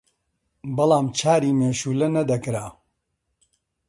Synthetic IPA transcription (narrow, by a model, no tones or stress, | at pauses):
bɐlaːmt͡ʃʰaːɾiːmeːʃuːlɐnɐd̪ɐkɾaː